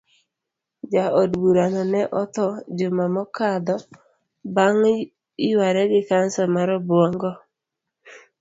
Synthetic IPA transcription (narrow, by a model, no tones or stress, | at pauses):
d͡ʒaodbuɾanɔnɛʔɔt̪ɔd͡ʒomamɔkad̪ɔ | baŋ | ɪwaɾɛɡɪkansɔmaɾɔbwɔŋɡɔ